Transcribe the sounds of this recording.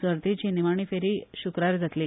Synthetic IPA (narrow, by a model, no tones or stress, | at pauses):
sʋəɾt̪it͡ɕiːniʋaɳ̃iːfeɾiːɕukɾaɾd͡zat̪liː